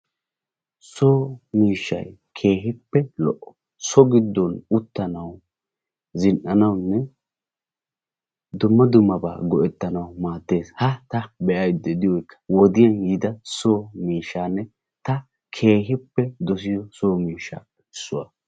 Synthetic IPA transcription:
soːmiːʃːɐ̰jkʰe̞ːɦɪpːɛlɔʔɔ | sɔɡɪd̪ːɔnʊt̪ːɐnɐw | zɪnʔɐnɐwnːɛ | d̪ʊmːɐd̪ʊmːɐba̰ːɡɔʔɛt̪ːɐnɐwmaːt̪ːe̞ːshɐt̪ɐbɛʔɐjd̪ːɛd̪ɪwɔjkʰːɐ̥wɔd̪ɪjɐnjɪd̪ɐsoːmiːʃːaːnːɛ | t̪ɐ | kʰe̞ːɦɪpːɛd̪ɔs̬ɪjɔsoːmiːʃːa̰ː | ɪsːʊwɐ̰

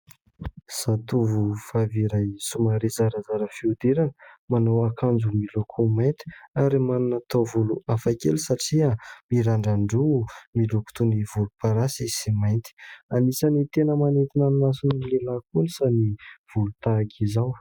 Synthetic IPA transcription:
sat̪uvufaviɾajsumaɾezaɾəzaɾəfiud̪eɾanəmanawakʰand͡zumilokʰomajnt̪i̥aɾimanunat̪ovuluafakḛlisaʈ͡ʂiamiɾaɳɖ͡ʐaɳɖ͡ʐumiloku̥t̪univulupaɾasisimajnt̪i̥anisanit̪enəmanet̪inannasunilelakunisaniv̥ulut̪aɡizaw

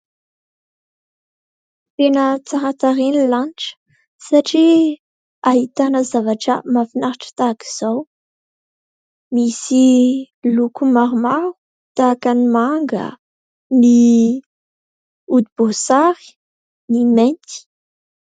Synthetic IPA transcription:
t̪enət͡saɾat̪aɾenilaniʈ͡ʂə̥ | saʈ͡ʂi | aɦit̪anəzavaʈ͡ʂə̰mafinaɾaʈ͡ʂə̥t̪aki̥z̥aw | misi | lukumaɾumaɾu̥ | t̪akanimaŋɡə̰ | ni | ud̪ubosaɾi̥ | nimɛ̃nt̪i̥

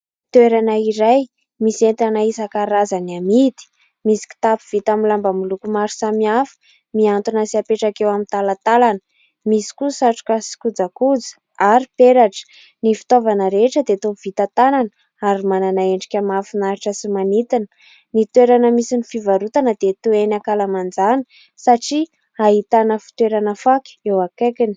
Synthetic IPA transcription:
t̪weɾanəiɾaj | misent̪anaisakaɾazaniamid̪i̥ | misi̥ki̥t̪apiv̥it̪amilambamulukumaɾu̥samiafə̥ | miant̪unəsiapeʈ͡ʂakewamint̪alat̪alanə̥ | misi̥kusaʈ͡ʂu̥kʲəsi̥kud͡zakud͡zə̥ | aɾipeɾaʈ͡ʂə̥ | nifi̥t̪ovanəɾeʈ͡ʂəd̪et̪ov̥it̪at̪ananə | aɾimananaeɳɖ͡ʐi̥kʲamafinaɾiʈ͡ʂəsimanit̪inə | nit̪weɾanəmisinifivaɾut̪anəd̪et̪uenakalamand͡zanə̥ | saʈ͡ʂi | aɦit̪anəfi̥t̪weɾanəfakʲi̥ewakekini̥

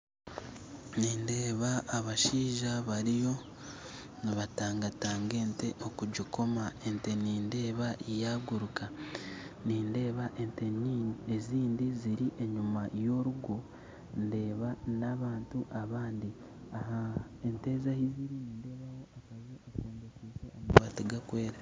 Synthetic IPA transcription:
niːndeːβaːβaʃiːʒaβaɾijo̞ | niβataːŋɡataːŋɡe̞ːnte̞ʔo̞kuɟiko̞mae̞nte̞niːnde̞ːβaʔijaːɡuɾuka | niːnde̞ːβaʔenteeziːndiziɾiʔe̞ɲumajo̞ɾuɡo | nde̞ːβanaβaːntuʔaβaːndi | ahaente̞ːzahiziɾiniːnde̞ːβawo̞akazeakoːɲdekiːseomawaːtiɡakwe̞ːɾe

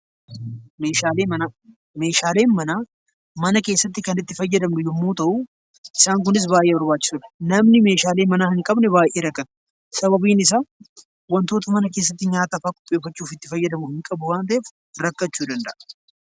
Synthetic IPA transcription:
me̞ːʃaːleːmɐnaː | me̞ːʃaːle̞ːnmɐnaː | mɐnɐke̞ːsːɐt̪ːɪkɐnɪt̪ːɪfɐjːɐd̪ɐmnʊjɪmːuːt̪ɐʔu | ʔɪsaːŋk̬ʊnɪs̬baːjʔːeːbɐɾbaːt͡ʃːɪ̥sʊᶑɐ̥nɐmnɪme̞ːʃaːle̞ːmɐnaːhɪŋkʼɐbnɛbaːjʔeːɾɐkːɐt̪ | sɐbɐbiːnɪs̬aː | wɐnt̪o̞ːt̪ɐmɐnɐke̞ːs̬ːɐt̪ːɪɲaːt̪ɐfaːkʼɔ̥pʼːeːfɐt͡ʃːuːfɪt̪ːɪfɐjːɐd̪ɐmʊhɪŋkʼɐbʊwaːnt̪ɐʔeːf | ɾɐkːɐt͡ʃːuːd̪ɐnd̪ɐ̰ʔɐ̥

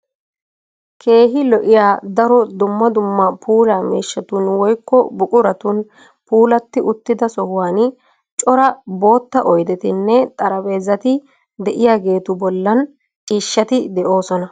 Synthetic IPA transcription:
kʰe̞ːɦɪlɔʔɪjaːd̪ɐɾɔd̪ʊmːɐd̪ʊmːɐpʰuːlaːmiːʃːɐt̪unwɔjkːɔbʊkʼʊɾɐt̪un | puːlɐt̪ːɪʔʊt̪ːɪd̪ɐsɔhʊwaːn | t͡ʃʼɔɾɐbo̞ːt̪ːɐʔɔjd̪ɛt̪ɪnːɛt̪ʼɐɾɐwe̞ːzːɐt̪ɪ | d̪ɛʔɪjaːɡe̞ːt̪ʊbɔlːɐn | t͡ʃʼiːʃːɐt̪ɪd̪ɛʔo̞ːsɔnɐ

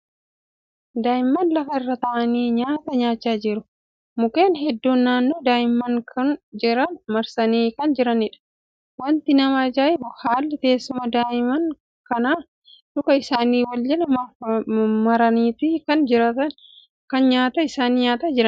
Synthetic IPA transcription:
d̪aːɪmːɐnlɐfɐɪrːɐt̪ɐʔɐniːɲaːt̪ɐɲaːt͡ʃːaːd͡ʒɪɾʊ | mʊke̞ːnɦɛd̪ːuːnːaːnːo̞ːd̪aːɪmːɐŋkʰɐnd͡ʒɪɾɐnmɐɾsɐniːkɐnd͡ʒɪɾɐnɪᶑɐ̥ | wɐnt̪ɪnɐmaːd͡ʒaːʔɪbʊhaːlːɪt̪e̞ːsːʊmɐd̪aːʔɪmɐŋ | kɐnaː | ᶑʊkɐɪsaːniːwɐld͡ʒɛlɐ | mɐɾɐniːt̪iːkɐnd͡ʒɪɾɐt̪ɐn | kɐnɲaːt̪ɐɪsaːniɲaːt̪ɐd͡ʒɪɾɐn

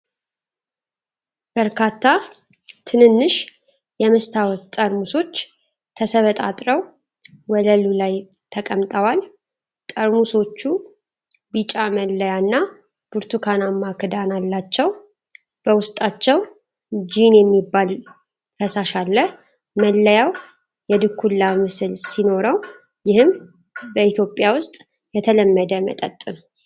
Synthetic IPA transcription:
b̥əɾkʰat̪ʰːa | t̪ʰɨnɨnːɨʃ | jɛmɨst̪ʰawɔt̪t̪ʼəɾmuso̞t͡ʃː | t̪ʰəsəβət̪ʼat̪ʼɾəw | wɔləlulaj | t̪ʰəkʼəmt̪ʼəwal | t̪ʼəɾmuso̞t͡ʃːu | bit͡ʃʼaməlːəjanːa | b̥uɾt̪ʰukʰanamːakʰɨd̪analːat͡ʃːɛw | b̥əwʊst̪ʼat͡ʃːɛw | d͡ʒinjɛmːibːal | fəsaʃalːə | məlːəjaw | jɛd̪ɨkʰːulːamɨsɨlsino̞ɾəw | jɪhɨm | bəit̪ʰjo̞pʼːjawʊst̪ʼ | jɛt̪ʰələmːəd̪əmə̰t̪ʼət̪ʼːɨn

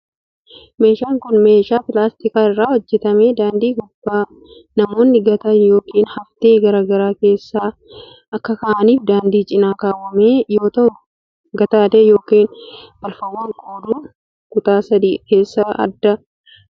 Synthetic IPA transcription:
me̞ːʃaːŋkʊnme̞ːʃaːpɪlaːst̪ɪkaːɪrːaːɔd͡ʒːɛt̪ɐmeːd̪aːnd̪iːɡʊb̥ːaː | nɐmo̞ːnːɪɡɐt̪ɐjo̞ːkiːnhɐft̪eːɡɐɾaːɡɐɾaːke̞ːsːaː | ɐkːɐkɐːʔɐniːfd̪aːnd̪iːt͡ʃʼɪnaːkaːwːɐmeːjo̞ːt̪ɐʊ | ɡɐt̪aːd̪eːjo̞ːkiːnb̥ɐlfɐwːaːŋkʼoːd̪uː | kʊt̪aːsɐd̪iːke̞ːsːɐɐ̰d̪ːɐ

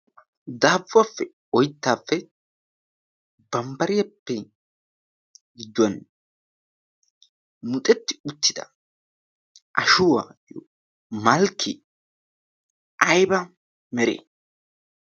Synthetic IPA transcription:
d̪aːvːafːɛ | ɔjt̪ːaːfːɛ | bɐmbɐɾɪjɐpːɛ | ɡɪd̪ːɐn | mʊt̪ʼɛt̪ːɪ̥ʊt̪ːɪd̪ɐ̰ | ʔɐʃʊwa̰ːjɔ | mɐlkʰːɪ | ʔɐjbɐ | mɛɾḛː

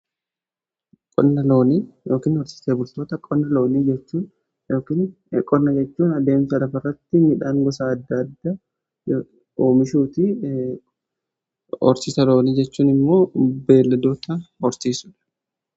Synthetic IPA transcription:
kʼɔnːɐloːnijo̞ːkiːnɔɾsɪ̥seːbʊlt̪o̞ːt̪ɐkʼɔnːɐlo̞ːniːd͡ʒɛt͡ʃːuːn | joːkiːn | kʼɔnːɐd͡ʒɛt͡ʃːuːnɐd̪e̞ːmsɐlɐfɐrːɐt̪ːɪmɪᶑaːŋɡɔsaːɐd̪ːɐːd̪ːa | oːmɪʃuːt̪ɪ | ɔ̰ɾsɪsɐlo̞ːniːd͡ʒɛt͡ʃːuːnɪmːo̞ːbe̞ːlːɐd̪oːt̪ɐɔɾtiːsʊᶑɐ̥

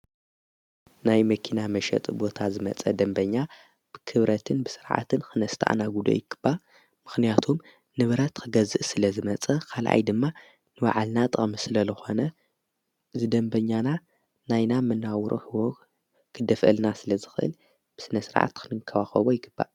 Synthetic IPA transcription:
najmɐkʰinamɐʃɐ̰t̪ʼbo̞t̪ʰazɨmɐ̰t͡sʼɐd̪ɐmbɐɲːa | b̥ɨkʰɨβɾɐt̪ʰɨnbɨsɨɾʕa̰t̪ʰɨnxʰɨnɐst̪ʰa̰ʔnaɡud̪o̰jɪɡ̥ɨb̥ːa | mɨxnijat̪ʰum | nɨβɾɐt̪kʰɨɡɐzɨʔsɨlɐzɨmɐt͡sʼɐkʰalʔa̰jd̪ɨmːa | nɨwa̰ʕalnat̪ʼɐʔʼmisɨlɐzɨxo̞nɐ | zɨd̪ɐmbɐɲːana | najnamɨnawɾʔo̰hɨwo | kʰɨd̪ɐfʔɨ̰lnasɨlɐzɨxɨʔɨ̰l | b̥ɨsɨnɐsɨɾʕa̰t̪kʰɨnɨkʰːɐwaxɐβojɪɡɨb̥ːa̰

